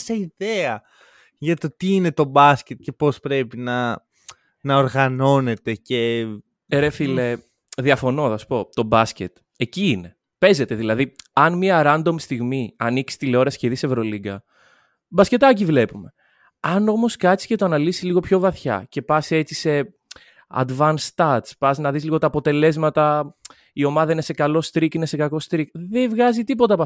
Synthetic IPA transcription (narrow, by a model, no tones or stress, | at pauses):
seiðeɐ | ʝɐt̪ot̪iine̞t̪o̞bɐscet̪̚ce̞po̞spɾe̞pinɐ | nɐoɾɣɐno̞ne̞t̪e̞ce̞ | ɾefile | ðiɐfo̞no̞θɐsu̥po̞t̪o̞bɐsce̞t̪ | eciine̞ | pe̞ze̞t̪e̞ðilɐðiɐnmiɐɾɐnd̪o̞mist̪iɣmiɐniksi̥st̪ileo̞ɾɐsçeðise̞vɾo̞liɡɐ | bɐsce̞t̪ɐc̬ivle̞pume̞ | ɐno̞mo̞skɐsi̥cet̪oɐnɐlisi̥zliɣo̞pço̞vɐθçɐ̰ce̞pɐse̞t͡sise̞ | ɐ̰d̪vɐnst̪ɐɾt̪spɐsnɐðisliɣo̞t̪ɐːpo̞t̪e̞le̞zmɐt̪ɐ | io̞mɐðɐine̞se̞kɐlo̞st̪ɾikine̞se̞kɐko̞st̪ɾik̚ðevɣɐzit̪ipo̞t̪ɐpɐ